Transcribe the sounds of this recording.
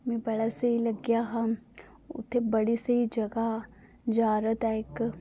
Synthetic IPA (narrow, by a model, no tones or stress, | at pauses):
mɛ̃ːbɐɽaseilɐɡjaɦɐ̃ | ʊ̰t̪ʰːebɐɽiseid͡ʒɐɡa | d͡ʒaːɾət̪ɛɪk